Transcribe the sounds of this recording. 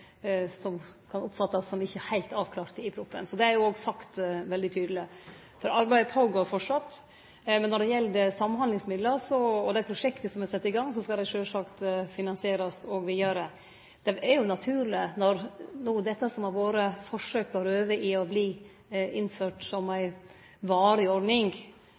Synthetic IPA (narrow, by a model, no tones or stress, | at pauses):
sɔmkʰɑnʊpfɑt̪ːɑsːɔmɪçːəhæɪlt̪ɑːʋkʰlɑːɾt̪ɪpʰɾuːpːə̰nsɔd̪ɛæɾjʊoːɡsɑkt̪ʋɛld̪ɪt̪ʰyːd̪lɪ | fɔɾɑɾbæɪpʰoːɡoːɾfɔʈʂɑt̪ː | mɛnːɔɖɛjɛlːd̪ɛsɑmːɑnhɑnd̪ɪŋsmɪd̪ləɾsɔɔd̪æɪpʰɾʊʂɛkt̪əsɔmɛsɛt̪ːɪɡɑŋːsɔskɑld̪æɪʂøːlsɑkt̪fɪnɑnsɪeːɾɑst̪ɔɡʋɪjøːɾə | d̪̥ɛæɾjʊnɑt̪ʰʉːɾlɪnɔɾnuːd̪ɛt̪ːəsɔmɑʋʋoːɾəfɔʂøːkəɾøːʋəʔɪɔbliː | ʔɪnføːʈsɔmæɪ | ʋɑːɾɪɔɖnɪŋ